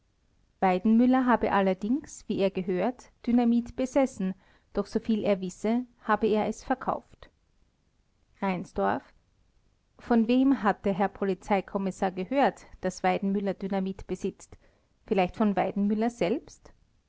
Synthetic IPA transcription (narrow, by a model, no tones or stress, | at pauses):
v̥aɪdn̩mʏlɐɦaːbəʔalɐdɪŋsv̥iːeːɐɡəɦøːɐtd̥ynamiːtb̥əzɛsn̩ | d̥ɔxz̥ofiːlʔḛːɐvɪsəhaːbəeːɐʔɛsfɛɐkʰa̰ʊft | ʁaɪnsd̥ɔɐf | fɔnveːmɦat̚d̥ɛɐɦɛɐpʰolit͡saɪkʰɔmɪsaːɐɡəhøːɐtd̥asv̥aɪdn̩mʏlɐdynamiːtb̥əzɪt͡st | fɪlaɪçtfɔnvaɪdn̩mʏlɐz̥ɛlpst